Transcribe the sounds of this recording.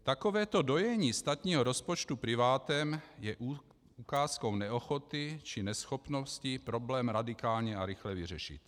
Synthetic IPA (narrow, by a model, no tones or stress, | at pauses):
t̪akovɛːt̪o̞do̞jɛɲiːst̪at̪ɲiːɦoɾospot͡ʃt̪upɾɪvaːt̪ɛmjɛʔ | ukaːskownɛoxot̪ɪt͡ʃɪnɛsxopnoscɪpɾo̞blɛːmɾadɪkaːlɲɛaɾɪxlɛvɪrɛʃɪ̰t̪